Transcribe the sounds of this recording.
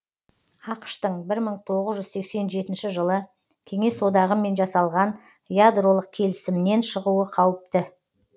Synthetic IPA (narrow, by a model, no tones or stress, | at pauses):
ɑqə̥ʃt̪əɴbɪɾməɴt̪ʰo̞ʁəzʒʏzse̞kse̞nʒe̞t̪ɪnʃɪʒəlˠə | kʲʰe̞ŋe̞so̞d̪ɑʁəme̞nʒɑsɑlˠʁɑn | jad̪ro̞lˠəq̚kʲʰe̞lɪsɪmɪne̞nʃəʁuəqʰɑwɪp̚t̪ɪ